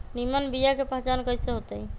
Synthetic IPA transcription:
nimənbijakepəɦt͡ʃankəjsẽɦot̪əj

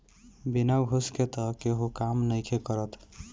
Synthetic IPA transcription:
binawɦusket̪əkeɦokamnəjkʰekəɾət̪

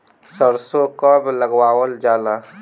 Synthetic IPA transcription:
səɾsokabləɡwaːwəld͡ʒaːla

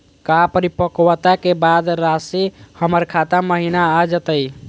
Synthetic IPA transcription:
kapəɾipəkwət̪akebad̪ɾasihəməɾkʰat̪aməɦinaad͡ʒət̪əj

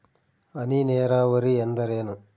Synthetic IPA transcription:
ɐnineːɾaːʋɐɾiend̪ɐɾeːnu

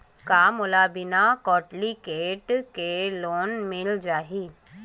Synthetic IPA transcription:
kaːmʊlaːbɪnakɔːʈlikeːʈkeloːnmɪld͡ʒaːɦiː

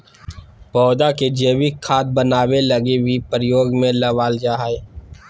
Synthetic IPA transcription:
pɔːd̪aked͡ʒeːwɪkkʰːaːt̪̚bənaːwelɐɡebʱipɾɪjoːɡmẽlɐʋaːld͡ʒaːɦae

